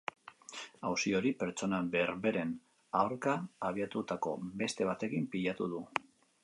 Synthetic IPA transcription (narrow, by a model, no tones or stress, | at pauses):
awsio̞ɾipe̞ɾt͡ʃo̞nabe̞ɾβe̞ɾe̞n | awɾkaːβ̞iat̪ut̪ako̞̰be̞st̪e̞β̞at̪e̞kimpiʎat̪uð̞u